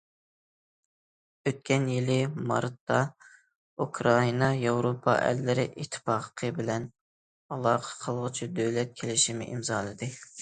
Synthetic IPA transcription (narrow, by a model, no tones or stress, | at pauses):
øt̪̚kʲʰɛnjilɪmɑ̰ɾt̪ːɑ | ukʰɾɑinɑjɑwɾopʰɑ̰ʔɛ̰lːɪɾɪʔit̪ʰːɪ̥pɑːqʰə̥qʰəbɪlɛn | ɑlˠɑːqʰə̥qʰəlˠʁʊt͡ʃʰid̪øwlɛt̪̚kʲʰelɪʃimɪ̰ʔimzɑːlˠɨd̪ɨ